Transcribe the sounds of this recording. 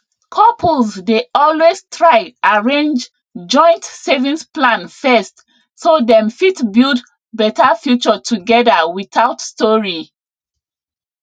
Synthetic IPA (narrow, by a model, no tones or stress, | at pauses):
kʰɔpʰlzdeɔlwestʰɹaɪʔaɹẽnd͡ʒ | d͡ʒɔ̃ɪ̃ntsevĩnsplãnfɛst | sodɛ̃mfitbild | bɛtafjut͡ʃɔtʰuɡɛdawiθaʊtstɔɹi